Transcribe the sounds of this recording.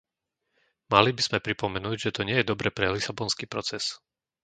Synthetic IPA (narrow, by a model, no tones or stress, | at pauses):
malibiz̥mɛpɾipɔmɛnuːɟʒɛt̪ɔɲɪɛjɛd̪ɔbɾɛpɾɛlisabɔnskiːpɾɔt͡sɛs